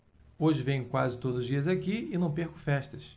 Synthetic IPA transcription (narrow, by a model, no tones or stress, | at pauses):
oʒɪvẽj̃ʊkwazɪt̪od̪ʊzʊzd͡ʒiɐzakiɪnɐ̃w̃peɾkʊ̥fɛʃt̪ɐs